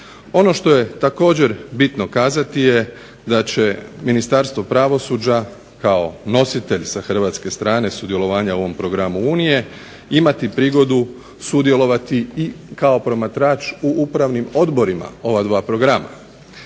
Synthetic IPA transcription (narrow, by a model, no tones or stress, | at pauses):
o̞no̞ʃt̪o̞je̞t̪ako̞ːd͡ʑe̞ɾbit̪no̞kaːzat̪ije | d̪at͡ɕe̞minist̪aɾst̪ʋo̞pɾaʋo̞suːd͡ʑa | kao̞no̞sit̪e̞ʎsaxr̩ʋaːt̪ske̞st̪ɾaːne̞sud̪ije̞lo̞ʋaːɲao̞ʋo̞mpɾo̞ɡɾamuuːnije̞ | imat̪ipɾiːɡo̞d̪u | sud̪je̞lo̞ʋat̪iikao̞pɾo̞mat̪ɾaːt͡ʃuʔupɾaʋnimo̞d̪bo̞ɾima̰o̞ʋad̪ʋaːpɾo̞ɡɾama̰